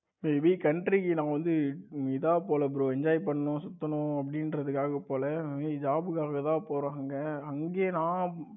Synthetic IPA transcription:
meːʋikɐɳʈɾikinãːʋɐnd̪ɯɪðaːpoːlɐp̬ɾoːɛɲd͡ʒaːjɪpɐɳːɐnõːsʊt̪ːɐnʊ̃ɐpːɐɽɪnɾɐðɯkːaːɣɐpoːlɐd͡ʒaːbɯkaːɣɐt̪ãːpoːɾãːŋɡɐɐŋɡeːnãː

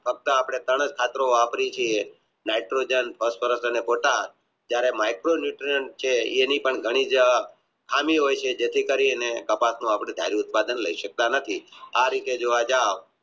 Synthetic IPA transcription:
fʰək̚t̪əapɽ̃et̪əɽ̃əd͡ʒkʰat̪ɾoapɾit͡ʃʰie | naiʈɾod͡ʒənpʰəspʰəɾəsənepoʈal | d͡ʒjaɾemajkɾonjuʈɾiəɳʈ̚t͡ʃʰeenipəɳɡʱəɽ̃id͡ʒ | kʰamiɦojt͡ʃʰed͡ʒet̪ʰikəɾiənekəpasnũapɽ̃ed̪ʱja̰ɾiʊt̪̚pad̪ənləiʃək̚t̪anət̪ʰiaɾit̪ed͡ʒoʋad͡ʒaʋ

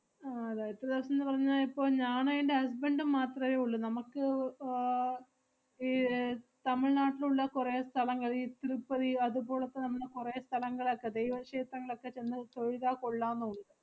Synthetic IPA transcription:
aɐðaːjɐɾt̪ːeðɐʋɐsɐmenːɨpɐrɐɲːaːlipːo̞ːɭɲaːnɐjiɳɖehɐs̬beɳɖɨmaːt̪rɐmeːuɭːunɐmɐkːɨ | it̪ɐmiɭnaːʈːiluɭːɐkureːst̪ʰɐlɐŋːɐɭiːt̪iɾupːɐðiɐðubo̞ːɭɐt̪ːenɐmːɐɽekurest̪ʰɐlɐŋːɐɭokːe̞d̪ejʋɐʂeːt̪ɾɐŋːɐɭo̞kːe̞t͡ɕe̞nːɨt̪o̞ɻiðaːkoɭːaːnːuɳːɐðɨ

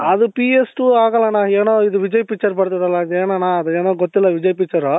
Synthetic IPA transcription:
ɐd̪upiesʈuaːɡɐlːɐnaːeːnoːid̪uʋid͡ʒɐjpit͡ʃːɐɾbɐɽt̪id̪ɐlːɐd̪eːnɐnaːɐd̪ueːnoːɡot̪ːilːɐʋid͡ʒɐjpit͡ʃːɐɾu

